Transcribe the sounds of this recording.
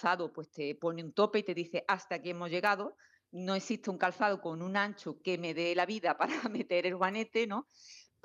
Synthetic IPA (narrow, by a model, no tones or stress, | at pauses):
θaðopwe̞st̪e̞po̞neunt̪o̞peit̪e̞ðiθe̞ʔast̪akiemo̞zʝe̞ɣaðo | no̞esist̪euŋkalθaðoko̞nũnãnt͡ʃuke̞me̞ðe̞laβiðapaɾame̞t̪e̞ɾe̞lɣwane̞t̪e̞nõ̞p